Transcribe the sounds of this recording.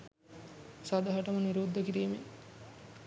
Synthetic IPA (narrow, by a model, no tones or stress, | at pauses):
sad̪aɦɐʈəməniɾuːd̪ːəkiɾiːme